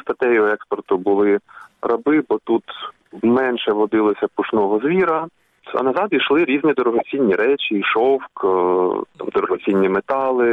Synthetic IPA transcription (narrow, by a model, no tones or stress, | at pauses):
st̪ɐt̪ɛjɔɔɛkspɔrt̪ʊbʊlˠɪrɐbɪbɔt̪ut̪ | mɛnʃɛʋɔd̪ɪlˠɔsʲɐpʊʃnɔɦɔzʋʲiɾɐ | ɐ̰nɐzɑd̪iʃlˠɪɾʲizʲnʲid̪ɔɾɔɦɔt͡s̪ʲinʲːiɾɛt͡ʃɪːʃɔwk | t̪ɑ̰md̪ɔɾɔɦɔt͡sʲinʲːimet̪ɑlˠɪ